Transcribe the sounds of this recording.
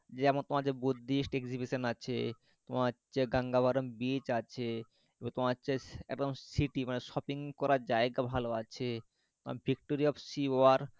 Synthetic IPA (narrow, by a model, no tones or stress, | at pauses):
d͡ʑeɛmont̪omad͡ʑebud̪ːiʃʈekd͡ʑibiʃonat͡ɕʰḛ | t̪omaːt͡ɕeɡaŋɡabaɾonbit͡ɕat͡ɕʰe | eboŋt̪omaat͡ɕʰeɛk̚d̪omsiʈimaneʃɔpiŋkɔɾaɾd͡ʑaeɡabʱaloat͡ɕʰe | t̪oma̰bʱik̚ʈoɾiɔbsioaɾ